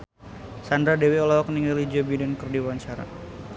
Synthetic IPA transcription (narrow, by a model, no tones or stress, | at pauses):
sandɾadeweɔlaɔkniŋɡalid͡ʒobidɛnkɨrdiwaɲt͡ʃaɾa̰